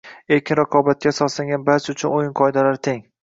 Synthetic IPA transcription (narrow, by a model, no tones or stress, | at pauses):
eɾkʲʰɪnɾaqʰɒbat̪̚kʲasɒslaŋɡʲanbaɾt͡ʃ̪ʰʊt͡ʃʰʊnojɪnqʰɒɪd̪alaɾt̪ʰeŋ